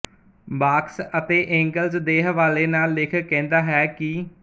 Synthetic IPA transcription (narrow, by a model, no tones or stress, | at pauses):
baːksət̪eːʔɛ̃ːŋɡəlzd̪eːɦəʋaːleːnaːlːɪkʰkɛ̃ːnd̪aːɦɛːkɪ